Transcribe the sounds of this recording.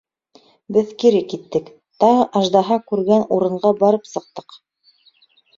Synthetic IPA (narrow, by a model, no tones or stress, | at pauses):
bɘðkiɾɘkit̪ːɘk | t̪ɑʁɤʔɑʒd̪ɑɦɑkʉɾɡænuɾɤ̆ɴɢɑbɑɾɤpsɤ̆q̚t̪ɤ̥q